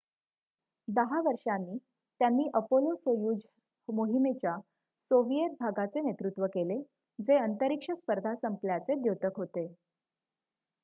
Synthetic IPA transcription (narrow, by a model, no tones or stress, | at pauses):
d̪əɦaʋəɾʂanːiː | t̪janːiːʔəpolosojuːd͡z | moɦimet͡ɕja | soʋijet̪̚bʱaɡat͡senet̪ɾut̪ʋəkele | d͡zeənt̪əɾikʂəspəɾd̪ʱasəmpljat͡sed̪jot̪əkɦot̪e